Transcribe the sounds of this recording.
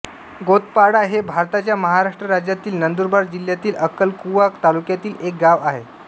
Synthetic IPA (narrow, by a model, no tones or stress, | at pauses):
ɡot̪̚paɽaɦebʱaɾt̪at͡ɕjaməɦaɾaʂʈɾəɾad͡ʑjat̪iːlnənd̪uɾbaɾd͡ʑil̤jat̪iːləkəlkuʋakt̪alukjat̪iːlek̚ɡaʋaɦe